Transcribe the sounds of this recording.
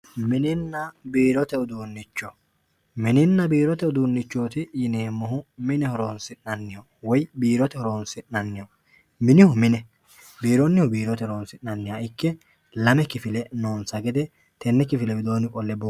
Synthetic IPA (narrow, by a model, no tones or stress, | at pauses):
mɪnɪnːɐbiːɾɔt̪ɛʊd̪uːnːɪt͡ʃːɔ | mɪnɪnːɐbiːɾɔt̪ɛʊd̪uːnːɪt͡ʃːo̞ːt̪ɪjɪneːmːɔɦʊmɪnɛhɔɾoːnsɪɐnːɪjɔ | wɔjbiːɾɔt̪ɛhɔɾoːnsɪnɐnːɪjɔ | mɪnɪhʊmɪnɛ | biːɾɔnːɪhʊbiːɾɔt̪ɛhɔɾoːnsɪnɐnːɪjaɪkːɛ | lɐmɛkɪfɪlɛnoːnsɐɡɛd̪ɛ | t̪ɛnːɛkɪfɪlɛbɪd̪o̞ːnɪkʼɔlːɛbo